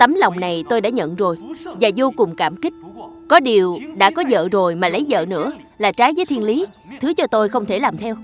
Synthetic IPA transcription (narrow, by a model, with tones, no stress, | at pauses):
t̪ə˨˦mlɔ˨˩wŋ͡mna˨˩jt̪o˧jɗa̰ː˧˥ɲə̰˧˨nzo˨˩jvaː˨˩zo˧kʊ˨˩ŋ͡mkaː˧˩mkï˦˥k̟̚kɔ˨˦ɗi˨˩əwɗa̰ː˧˥kɔ˨˦zə̰ː˧˨zo˨˩jmaː˨˩lə˨˦jzə̰ː˧˨nɨ̰˧˥ə | laː˨˩t͡ɕaː˨˦jvəː˨˦jt̪ʰi˧ənli˨˦ | t̪ʰɨ˨˦t͡ɕɔ˧t̪o˧jxə˧wŋ͡mt̪ʰe˧˩laː˨˩mt̪ʰɛ˧w